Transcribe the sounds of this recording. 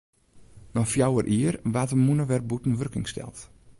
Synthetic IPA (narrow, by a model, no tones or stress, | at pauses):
nɔfjawərʔiərʋatəmunəʋɛrbutn̩ʋørkɪŋstɛ̰lˠt